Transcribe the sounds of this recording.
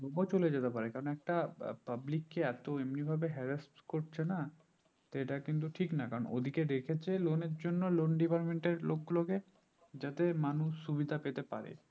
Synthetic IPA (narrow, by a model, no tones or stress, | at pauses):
bɔbot͡ɕoled͡ʑet̪epaɾekaɾonɛk̚ʈapablikːeɛt̪oemnibʱabeɦɛɾesʈkoɾt͡ɕʰena | t̪eʈakint̪̬uʈʰiknakaɾono̰d̪ʱiked̪ekʰet͡ɕʰeloneɾd͡ʑonːolonɖipaɾmeɳʈeɾlok̚ɡuloke | d͡ʑat̪emanuʃːubid̪ʱapet̪epaɾḛ